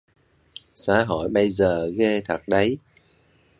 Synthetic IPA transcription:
sa̰ː˧˥ɦo˧˩˨jɓə˧jzəː˨˩ɣe˧t̪ʰə˨˩k̚ɗə˨˦j

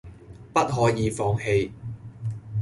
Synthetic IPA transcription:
pɐ˥t̚ɦɔː˨˥jiː˨˧fɔː˧ŋhe˧j

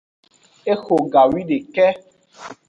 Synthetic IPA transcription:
e˦xo˨ɡa˨wi˦ɖe˨kɛ˦

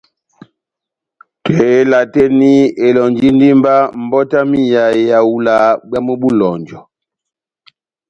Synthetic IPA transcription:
te˨˦la˨te˦ni˦e˨lɔ˨ɲd͡ʒi˦n˦di˦mba˦m̩˨bɔ˦ta˦mi˦ja˨˦ja˨u˦la˨˦bja˦mu˦bu˦lɔ˨ɲd͡ʒɔ˨

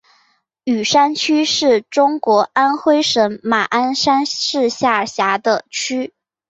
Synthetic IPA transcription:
y˨˩ʂa˥nt͡ɕʰy˥ʂɻ̩˥˩ʈ͡ʂʊ˥ŋkwɔ˧˥a˥nxwe˥ɪʂə˧˥ŋma˨˩ʔa˥nʂa˥nʂɻ̩˥˧ɕja˥˩ə˩ɕja˧˥d̪ə˧t͡ɕʰy˥

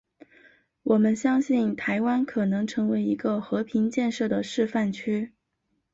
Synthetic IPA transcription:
wɔ˨˩mə˦nɕjɑ˥ŋɕi˥˩nt̪ʰa˧˥ɪwa˥nkʰɤ˨˩nɤ˧˥ŋʈ͡ʂʰɤ˧˥ŋwe˧˥ɪi˧˥ɡə˧xɤ˧˥pʰi˧˥ŋt͡ɕjɛ˥˧nʂɤ˥˩d̪ə˩ʂɻ̩˥˧fa˥˩nt͡ɕʰy˥

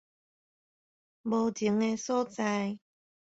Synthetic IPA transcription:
mo˨˧wti˨˦ŋɛː˧so˥t͡sa˧j

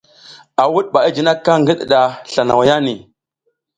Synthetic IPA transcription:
a˨wu˦ɗɓa˨i˦d͡ʒi˨na˦kːa˦ŋɡi˦ɗɗa˨ɬa˨na˨wja˦ni˨

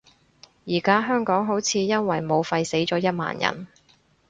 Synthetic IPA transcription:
jiː˨˩kaː˥ɦœː˥ŋkɔː˨˥ŋɦo˨˥wt͡sʰiː˨˧jɐ˥nwɐ˨˩jmo˨˧wfɐ˧jse˨˥jt͡sɔː˨˥jɐ˥t̚ma̰ː˨˩njɐ̰˨˩n

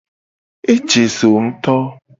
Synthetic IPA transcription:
e˦t͡ʃe˨so˨ŋ̩˦t̪ɔ˦

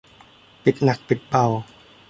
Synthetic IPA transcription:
pi˨˩t̪̚na˨˩k̚pi˨˩t̪̚pa˨˩w

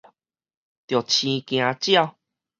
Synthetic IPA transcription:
t̪jo˨˩t͡ɕʰĩ˧kj̃ã˧t͡ɕja˥˨w

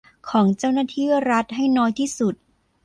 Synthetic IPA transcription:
kʰɔː˩˦ŋt͡ɕa˥˩wnaː˥˩t̪ʰiː˥˩ɾa˦˥t̪̚ɦa˥˩jnɔː˦˥jt̪ʰiː˥˩su˨˩t̪̚

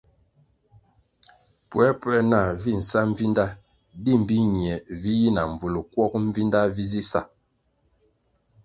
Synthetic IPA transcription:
pwɛ˨˦pwɛ˦na˦˨vi˦˨n̩˨sa˦ɱ̩˦vi˦nda˦ | di˦˨m˨bi˦ɲi˨ɛ˨vi˦ji˦na˨ɱ̩˨vu˨lu˨kwɔ˦k̚ɱ˦vi˦nda˦vi˦zi˦sa̰˦˨

